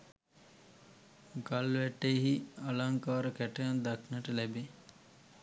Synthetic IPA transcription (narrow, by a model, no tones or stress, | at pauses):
ɡalʋæʈːeɦialaŋkaːɾəkæʈəjand̪aknaʈəlæbe